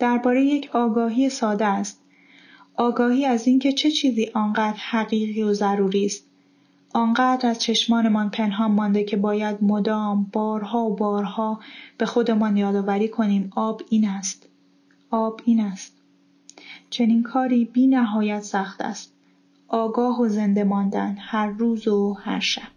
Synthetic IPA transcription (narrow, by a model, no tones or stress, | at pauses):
d̪̥æɾbɒːɾe̞jejecʰɒːɡɒːɦiːesɒːd̪eæst̪̚ | ʔɒːɡɒːhiːæziːncʰe̞t͡ʃʰe̞t͡ʃʰiːziːʔɒːnɢæːd̪ɾhæɣiːɣiːozæɾuːɾiːst̪̚ | ʔɒːŋɢæːd̪ɾæz̥t͡ʃʰe̞ʃmɒːne̞mɒnpʰe̞nɦɒːmːɒːnd̪e̞cʰe̞bɒːjæd̪̚mo̞d̪ɒːmb̥ɒːɾɦɒːobɒːɾhɒːb̥e̞xo̞d̪e̞mɒnjɒːd̪ɒːvæɾiːkʰo̞niːmɒːbiːnæst̪ | ʔɒːbiːnæst̪̚ | t͡ʃʰe̞niːnkʰɒːɾiːbiːnæɦɒːjæt̪sæχt̪ʰæ̰st̪̚ | ʔɒːɡɒːɦoze̞nd̪e̞mɒːnd̪ænhæɾːuːzohæ̰ɾʃæb̥